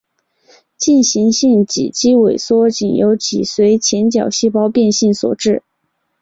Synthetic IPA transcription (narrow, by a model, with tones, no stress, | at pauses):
t͡ɕi˥˩nɕi˧˥ŋɕi˥˩ŋt͡ɕḭ˨˩t͡ɕʰi˥we˨˩ɪswɔ˥t͡ɕi˨˩ŋjo̰˧˥ʊt͡ɕʰḭ˨˩swe˧˥ɪt͡ɕʰjɛ˧˥nt͡ɕjɑ˨˩ʊɕi˥˩pɑ˥ʊpjɛ˥˧nɕi˥˩nswɔ̰˨˩ʈ͡ʂɻ̩˥˩